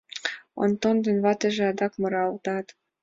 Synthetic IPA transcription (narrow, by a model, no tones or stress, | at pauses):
o̰nt̪ond̪ə̆nβɑt̪ĕʒĕɑd̪ɑkmɤ̆ɾɑlt̪ɑt̪